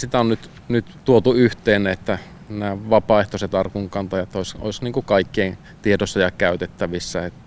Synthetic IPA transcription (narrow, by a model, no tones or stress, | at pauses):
sit̪æonnyt̪ | nyt̪t̪uot̪uyht̪eːnːˑæet̪ːæ | næːʋɑpɑˑeht̪oset̪ɑrkuŋkɑnt̪ɑjɑet̪ːoˑiso̰ˑisniːŋkukɑikːein | t̪iedosːɑjɑkæˑyt̪et̪ːæʋisːæet̪ː